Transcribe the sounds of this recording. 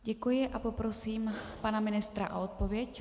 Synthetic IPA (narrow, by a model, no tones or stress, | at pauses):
ɟɛkujɪʔapo̞pɾo̞siːmpanamɪnɪst̪ɾaʔoot̪̚po̞vjɛc